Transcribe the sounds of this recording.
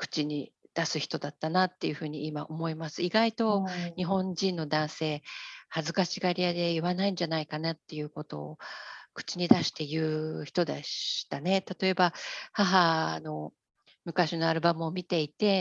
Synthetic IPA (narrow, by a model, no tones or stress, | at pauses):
kɯ̥t͡ɕiɲ̟id̪̥asɨçʲi̥t̪o̞d̪at̪ːanat̪ːe̞jɯ̟ɸɯ̟ːɲ̟iimaʔo̞mo̞imasɨiɡait̪o̞ɲ̟iɦõ̞ɲd͡ʑĩnːo̞d̪ãɰ̃se̞ːhazɨkaɕiɡaɾʲijad̪e̞iβanaĩɲ̟d͡ʑanaikanat̪ːe̞jɯ̟ːko̞t̪o̞̰ːkɯ̟̥t͡ɕiɲ̟id̪aɕi̥t̪e̞jɯ̟ːçi̥t̪o̞d̪eɕt̪ane̞t̪at̪o̞e̞bahaɦano̞ | mɯ̟kaɕino̞aɾɯ̟bamɯomʲit̪e̞it̪e̞